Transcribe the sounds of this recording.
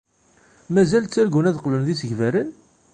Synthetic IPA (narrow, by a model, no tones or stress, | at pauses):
mæzælt͡sːæɾɡunæðqlənðisəʝvæɾən